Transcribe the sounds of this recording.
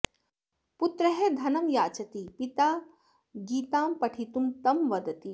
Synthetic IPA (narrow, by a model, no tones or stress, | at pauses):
put̪ɾɐɦed̪ʱɐnɐmjaːt͡ʃɐt̪ipit̪aː | ɡiːt̪aːmpɐʈʰit̪umt̪ɐmʋɐd̪ɐt̪i